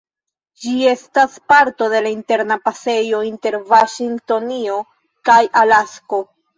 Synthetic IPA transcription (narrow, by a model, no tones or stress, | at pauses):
d͡ʒie̞staspaɾto̞de̞lainte̞ɾnapase̞jo̞inte̞ɾvaʃiŋɡto̞nio̞ | kajalasko̞